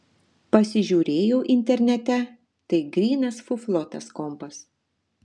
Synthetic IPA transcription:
pɐsʲɪʒʲuːɾʲeːjoːʔɪnʲt̪ʲɛɾʲnʲɛt̪ʲɛ | t̪ɐɪɡɾʲiːnɐsfʊflˠɔt̪ɐskɔmpɐs

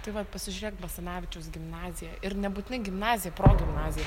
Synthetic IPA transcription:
t̪ɐɪʋɐt̪pɐsʲɪʒʲʊɾʲeːkt̪bɐsɐnɑːʋʲɪt͡ʃʲɛʊsɡʲɪmnɑːzʲɪjɛɪɾnʲɛbuːt̪ʲɪnɐɪɡʲɪmnɑːzʲɪjɛpɾoːɡʲɪmnɑːzʲɪjɛ

